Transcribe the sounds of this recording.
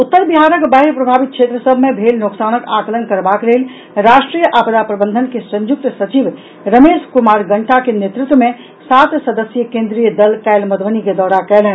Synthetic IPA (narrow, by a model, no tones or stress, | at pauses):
ut̪ːəɾbiɦaɾəkbapɾəbʱabit̪̚t͡ʃʰet̪ɾəsəbʱmebʱelnoksanəkak̪ələnkəɾbaklel | ɾasʈɾijəʔapəd̪apɾəbənd̪ʱənkesə̃ɲjuk̚t̪sət͡ʃib | ɾəmeskumaɾɡəɳʈakenet̪ɾut̪wme | sat̪səd̪əsjəkẽnd̪ɾijəd̪əlkaɪlməd̪ʋəniked̪ɔɾakɛlɛn